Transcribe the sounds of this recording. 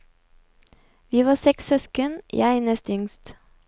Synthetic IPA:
ʋiːʋɑːsɛksœskənj̰æɪnɛst̪ʏŋst̪

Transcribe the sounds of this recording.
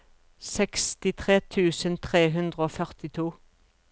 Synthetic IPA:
sɛkst̪ɪt̪ʰʁeːt̪ʰʉːsənt̪ʰʁeːɦʉnd̪ʁəoːfœʁt̪ɪt̪ʰuː

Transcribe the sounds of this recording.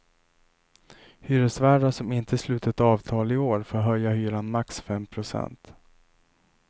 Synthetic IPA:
hyːɾəsvæːɖaʂɔmɪnt̪ʰəslʉ̟ːt̪ət̪ɑːvt̪ʰɑːlɪoːɾfoːɾɦœjːahyːɾanmaksfɛmpʰɾʊsɛ̰nt̪

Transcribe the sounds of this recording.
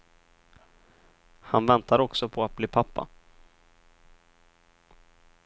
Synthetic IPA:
hanvɛnt̪ʰaɾɔksɔpʰɔat̪̚bliːpʰapːa̰

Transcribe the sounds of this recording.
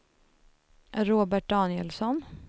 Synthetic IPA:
ʔɾoːbæʈ̚d̪ɑːnɪəlsɔn

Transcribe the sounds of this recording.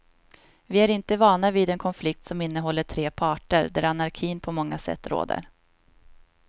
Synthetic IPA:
vɪæɾɪnt̪əvɑːɳavid̪ɛnkʰɔnflɪk̚t̪sɔmɪnːəɦɔlːəʈʰɾeːpʰɑːʈə̰ɾd̪æɾanaɾkʰiːnpʰɔmɔŋːasɛ̰t̪ːɾo̰ːd̪ə̰ɾ

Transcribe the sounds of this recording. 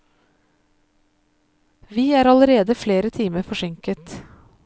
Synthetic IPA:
ʋiːæːɾɑləɾeːd̪əfleːɾət̪ʰiːməɾfɔʃɛŋkət̪

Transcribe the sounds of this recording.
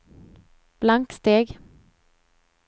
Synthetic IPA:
b̥laŋkst̪eːɡ

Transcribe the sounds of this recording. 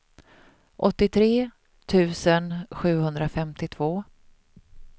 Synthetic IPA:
ʔɔt̪ːɪt̪ʰɾeː | t̪ʰʉ̟ːsənɧʉ̟ːhɵnd̪ɾafɛmt̪ɪt̪ʰv̥oː

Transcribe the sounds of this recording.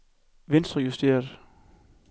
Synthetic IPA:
ʋe̝nsd̥ʁɐjusd̥e̝̰ːɐð̩ˠ

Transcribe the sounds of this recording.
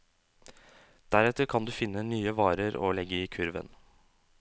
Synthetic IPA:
d̪̥æɾɛt̪əɾkʰɑnd̪ʉːfɪnːənyːəʋɑːɾəɾo̰ːlɛɡəiːkʰʉɾʋə̰n

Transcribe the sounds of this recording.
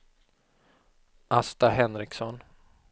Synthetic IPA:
ʔast̪aɦɛnɾɪksɔn

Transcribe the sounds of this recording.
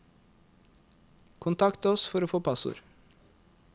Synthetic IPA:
kʰʊnt̪ʰɑkt̪əɔsfɔɾoːfoːpʰɑsʊ̰ɾ

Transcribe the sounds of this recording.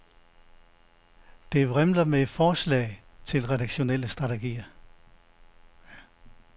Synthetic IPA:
d̥e̝ʁɛmlɐme̥fɒːslɛ̰ːɪt͡sʰe̝lʁɛɾɑ̈ɡ̥ɕo̝nel̰əsd̥ʁɑ̈t͡sʰe̝ɡ̥ḭːɐ

